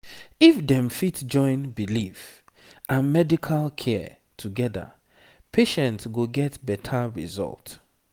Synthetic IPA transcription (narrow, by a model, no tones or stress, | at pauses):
ifdɛ̃mfitd͡ʒɔ̃ɪ̃nbilif | ãnmɛdikʰalkʰɛ | tʰuɡɛðə̰ | pʰeʃɛ̃ntsɡoɡɛtbɛtʰəɹḭzɔ̰lˠt